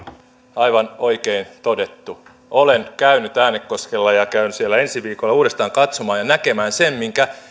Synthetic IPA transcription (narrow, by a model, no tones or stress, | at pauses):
ɑiʋɑno̞ikeint̪odet̪ːu | ʔolenkæynyt̪æːnːekkoskelːɑjɑkæynysielːæe̞nsiʋiːkolːɑuːdest̪ɑːŋkɑt̪somɑːjɑnæke̞mæːnsemmiŋkæ